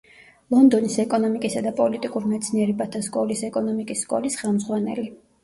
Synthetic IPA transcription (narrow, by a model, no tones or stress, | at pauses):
lˠɔnd̪ɔnisɛkʼɔnɔmikʼisad̪apʼɔlit̪ʼikʼuɾimɛt̪sʰniɛɾɛbat̪ʰaskʼɔlisɛkʼɔnɔmikʼisːkʼɔ̰lisχɛlˠmzʁwanɛ̰li